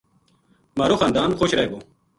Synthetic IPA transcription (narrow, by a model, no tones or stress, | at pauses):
maːɾoxaːnd̪aːnxoːɕɾɐeɡoː